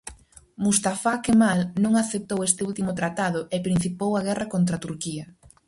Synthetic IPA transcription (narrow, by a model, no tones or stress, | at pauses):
must̪afakemalnõŋaθep̚t̪owest̪ɪult̪imʊt̪ɾat̪aðʊʔepɾĩn̟θipowaɣ̞ɛrɐkont̪ɾat̪uɾkiɐ